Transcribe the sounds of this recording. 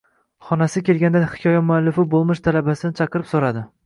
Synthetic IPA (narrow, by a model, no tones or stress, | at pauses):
χɒnasɪkʲe̞lɡʲand̪anhɪ̥kʰʲɒjamʊalːɪfɪbolˠmɪʃt̪ʰalabasɪnɪt͡ʃʰɑqɨɾɪpsoɾad̪ɪ